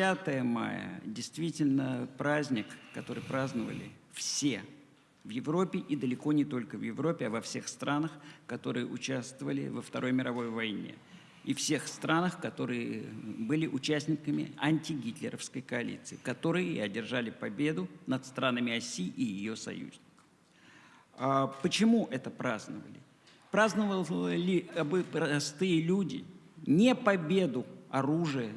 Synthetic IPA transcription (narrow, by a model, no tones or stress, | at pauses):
at̪əjəma̰jə̰dʲɪjst̪vʲitʲɪlʲnəpɾazʲnʲɪkːɐt̪o̞ɾɨjpɾaznəvə̰lʲɪ̰ | fsʲe̞ | vjɪvɾo̞pʲɪʔid̪əlʲɪko̞nʲɪt̪o̞lʲkəvjɪvɾo̞pʲɪɐvɐfsʲe̞xst̪ɾanəxkɐt̪o̞ɾɨjə̰ʔʊt͡ɕast̪vəvəlʲɪ̰vəft̪ɐɾʔo̞jmʲɪɾɐvo̞jvɐjnʲe̞̰ | ifsʲe̞xst̪ɾanəxkɐt̪o̞ɾɨjəbɨlʲɪʔʊt͡ɕæsʲnʲɪkəmʲɪ̰ɐnʲtʲɪɡʲit̪lʲɪɾəfskəjkɐɐlʲḭt̪sɨːkɐt̪o̞ɾɨjəɪɐdʲɪrʐalʲɪpɐbʲe̞d̪ʊnət̪st̪ɾanəmʲɪɐsʲiːʔijɪjosɐ̰jṵzʲnʲɪkə̥f | apət͡ɕɪmuʔɛt̪əpɾaznəvə̰lʲɪ | pɾaznəvəlˠlʲɪɐbɨpɾɐɐst̪ɨjəlʲudʲɪ̰nʲepɐbʲe̞d̪ʊɐɾuʐɨjə